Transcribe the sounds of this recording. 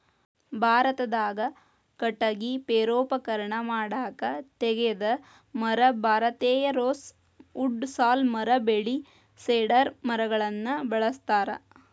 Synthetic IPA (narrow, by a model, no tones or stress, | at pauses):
bʱaːɾɐt̪ɐd̪aːɡɐ | kɐʈːɐɡipeːɾoːpɐkɐɾɐɳɐmaːɽaːkɐt̪ɛɡed̪ɐ | mɐɾɐbʱaːɾɐt̪eːjɐɾoːs | uɖsaːlmɐɾɐbeɭi | seːɖɐɾmɐɾɐɡɐɭɐnːɐbɐɭɐst̪aːɾɐ̰